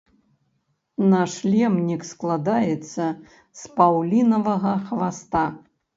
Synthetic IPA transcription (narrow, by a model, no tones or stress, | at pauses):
naʂlʲɛmnʲiksklˠad̪ajɛt̪sːɐ | spawlʲinɐvɐɣɐxvast̪a